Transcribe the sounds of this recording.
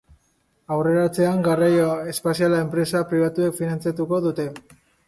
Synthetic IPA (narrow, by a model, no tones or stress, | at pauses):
awre̞ɾat͡se̞aŋɡarajoe̞spasialae̞mpɾe̞sapɾiβ̞at̪ue̞kfinant͡sjat̪uko̞ðut̪e̞